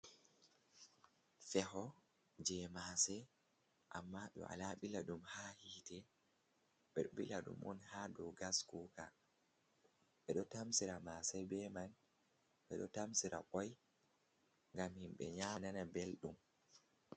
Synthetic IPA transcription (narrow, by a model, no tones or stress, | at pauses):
fɛhɔ | d͡ʒɛmaːsɛ | ʔamːaɓɛ̰ʔa̰laɓilaɗumhaːhiːtɛ | ɓɛɗɓḭlaɗṵmʔɔ̰nhadɔɡaskuka | ɓɛɗɔtamsiɾamaːsɛbɛman | ɓɛɗɔtamsiɾʔa̰ɓɔj | ŋɡamhimɓɛ̰ɲananabelɗum